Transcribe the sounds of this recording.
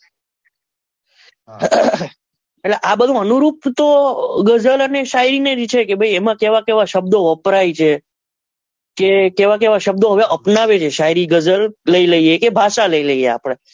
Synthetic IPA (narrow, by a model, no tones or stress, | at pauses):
eʈleʔabəd̪ʱũənuɾupt̪oɡəd͡ʒələneʃaɦiɾined͡ʒt͡ʃʰekebʱəiemãkeʋakeʋaʃəbd̪oʋəpɾajt͡ʃʰe | kekeʋak̬eʋaʃəb̚d̪oɦəʋeʔəpnaʋet͡ʃʰeʃaɦiɾiɡəd͡ʒəlləiləiekebʱaʃaləiləijea̰pɽ̃e